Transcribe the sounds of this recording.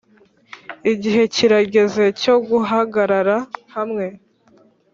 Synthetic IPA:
iɟiɦe̞ciɾaɟe̞ze̞co̞ɡuɦaɡaɾaɾahamŋe̞

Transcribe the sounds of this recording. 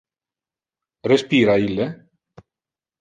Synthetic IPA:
respiːɾailːe

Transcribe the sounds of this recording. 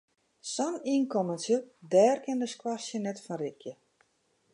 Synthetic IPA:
sɔniːnkɔmənsjədɛːrkɪndəskwasjənɛtfɔnrɪkʰjə

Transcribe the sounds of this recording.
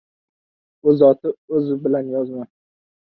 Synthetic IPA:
ɵzɒt̪ʰɪɵzɪbɪlanjɒzma

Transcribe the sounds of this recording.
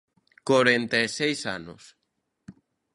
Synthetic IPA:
koɾent̪eesejsa̰nʊ̰s

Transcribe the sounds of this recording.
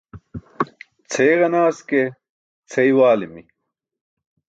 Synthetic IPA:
t͡sʰejʁɐnaːske | t͡sʰɐiwaːlimi

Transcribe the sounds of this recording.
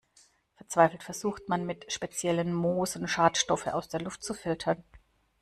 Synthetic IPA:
fɛɐt͡sv̥aɪfl̩tfɛɐzuːxtmanmɪtʃpet͡sjɛlənmoːzn̩ʃaːtʃtɔfəna̰ʊsd̥eːɐlʊftt͡sufɪltʰɐn

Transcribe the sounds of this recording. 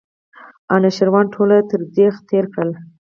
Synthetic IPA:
ɑnaʃɪɾwɑnʈʰolat̪əɾd̪ext̪eɾkɽəl

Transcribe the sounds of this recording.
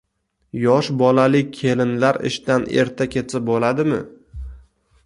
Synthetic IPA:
jɒʃbɒlalɪkʲʰe̞lɪnlaɾɪ̰ʃt̪ane̞̰ɾt̪ʰakʲʰe̞t͡s̪sʰɪp̚bolad̪ɪmɪ̰

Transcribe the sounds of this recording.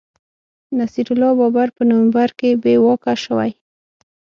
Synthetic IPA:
nasiɾʊlɑbɑbaɾpənʊwambaɾkebewɑkaʃəwa̰j

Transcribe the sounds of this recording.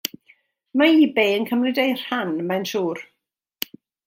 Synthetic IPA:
maiːbeːənkʰəmrɪdejr̥hanmanʃuːr

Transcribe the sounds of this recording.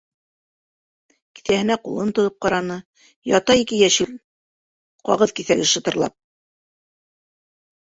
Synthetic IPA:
ki̥θæhɘ̆næqulˠɤnt̪ŏðɤp̚qɑɾɑnɤ | jɑt̪ɑikɘjæʃɘl | qɑ̰ʁɤðkiθæɡɘʃɤ̆t̪ɤ̆ɾlˠɑ̰p̚

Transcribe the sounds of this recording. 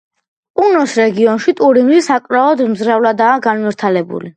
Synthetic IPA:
pʼunɔsɾɛɡiɔnʃit̪ʼuɾimlisakʼɾaɔd̪mzɾavlad̪aːɡanviɾt̪ʰalɛbṵli

